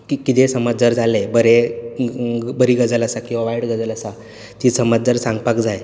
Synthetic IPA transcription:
kikit̪esəməd͡zd͡zəɾd͡zʱalebəɾe | bəɾiɡəd͡zələsakĩw̃ʋaʋaiɽɡəd͡zələsa | t̪isəməd͡zd͡zəɾsãŋɡpakd͡zaj

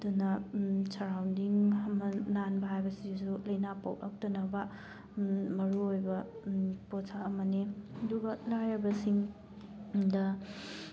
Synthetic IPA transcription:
tunɐsaɾawndiŋɦɐmɐnanbɐɦajbɐsiusulɐjnapɐ̰wʔɐ̰k̚tɐnɐbɐ | mɐɾuojbɐposʰaːmɐniɐduɡɐlajɐbɐsiŋ | dɐ

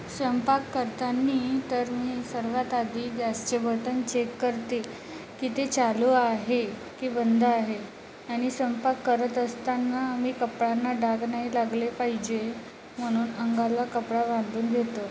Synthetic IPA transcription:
sʋəmpakːəɾt̪anːiːt̪əɾmiːsəɾʋat̪ad̪ʱiːɡast͡ɕəbət̪ənt͡ɕekːəɾt̪e | kiːt̪et͡ɕaluːaɦe | kiːbənd̪əaɦe | aɽ̃isʋəmpakːəɾət̪əst̪anːaːmiːkəpɽanːaɖaɡnaɦilaɡlepaɦid͡ʑe | m̤əɽ̃uːnəŋɡalːakəpɽaʋãnd̪uːnɡ̪ʱet̪ə

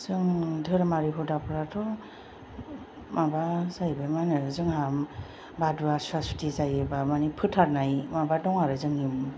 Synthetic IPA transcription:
zɯŋdʱɯɾamaɾiɦɔdapʰɯɾatʰɔ | mʔabazajbamanɯzɯŋɦam | baduasastʰizajɯbamanipʰɯtʰaɾnajmabadɔŋaɾɯzɯŋum

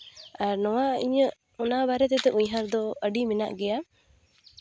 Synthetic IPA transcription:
aɾnɔwaiɲəʔ | ɔnabaɾɛt̪ɛt̪ɛʔuɲɦaɾd̪ɔəɖimina̰ʔɡɛja

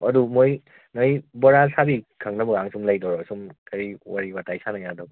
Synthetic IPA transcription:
ɐdumoj | nojbɔɾasabikʰaŋnɐbɐɡaŋsumlajdɔwɾɔsumkɐɾiwaɾibatajsanajadɔb

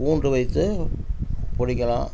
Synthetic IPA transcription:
uːndrɯʋɐɪt̪ːɯ | pɔɽɪkːɐlã̰ː

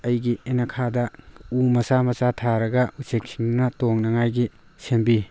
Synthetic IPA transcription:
ɐjɡienɐkʰadɐumɐsamɐsatʰaɾɐɡɐusek̚siŋnɐtoŋnɐŋajɡi | sembi

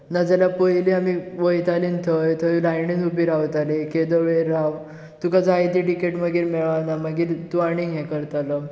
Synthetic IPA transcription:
nad͡zaljapəjliamiʋəjt̪aliːnt̪ʰəjt̪ʰəjlajɳinubiɾawt̪aleked̪əɾʋeɾaw | t̪ukad͡zajt̪iʈikeʈməɡiːɾmeɭanaməɡiːɾt̪uaɽ̃iŋɦɛ̃kəɾt̪alə

